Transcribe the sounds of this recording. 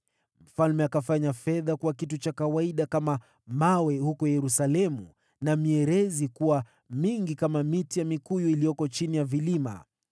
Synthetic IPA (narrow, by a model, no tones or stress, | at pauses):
m̩falmɛakafaɲafɛðakuwakitut͡ʃakawaiɗakama | mawɛhukɔjɛɾusalɛmṵ | namiɛɾɛzikuwa | miŋɡikamamitijamikujuilijɔkɔt͡ʃinijavilima̰